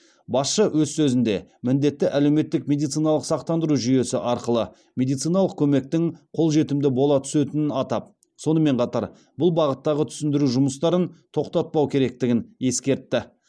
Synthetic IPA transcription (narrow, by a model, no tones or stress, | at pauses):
bɑsʃəwʔɵzsɵzɪnd̪e̞̰mɪnd̪e̞t̪ːɪʔæle̞wme̞t̪ːɪkmʲe̞d̪ijt̪sijnɑlˠəqsɑqt̪ɑnd̪əɾuʒʏje̞sɪʔɑɾqəlˠə | mʲe̞d̪ijt̪sijnɑlˠəqkʲʰɵme̞k̚t̪ɪŋqʰo̞lˠʒe̞t̪ɪmd̪ɪbo̞lˠɑt̪ʰʏ̥se̞t̪ɪnɪnɑt̪ɑp̚ | so̞nəme̞ɴqʰɑt̪ɑɾ | bʊlˠbɑʁət̪ːɑʁət̪ʰʏ̥sɪnd̪ɪɾuʒʊməst̪ɑɾənt̪ʰo̞qt̪ɑt̪̚pɑwkʲʰe̞ɾe̞k̚t̪ɪɡʲɪne̞skʲe̞ɾt̪ːɪ